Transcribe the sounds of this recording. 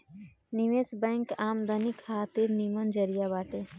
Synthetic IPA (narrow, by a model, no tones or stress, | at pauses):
niʋeːsbɛŋkaːmd̪ənikʰaːt̪iɾnimənd͡ʒəɾijabaːʈe